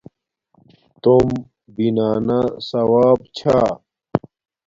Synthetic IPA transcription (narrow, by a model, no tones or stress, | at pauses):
t̪om | binaːnasɐwaːbt͡ɕʰa